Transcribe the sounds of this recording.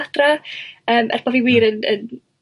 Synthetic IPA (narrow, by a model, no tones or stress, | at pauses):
ad̥raəːmʔɛ̰rb̥ɔviwiːɾənə̰n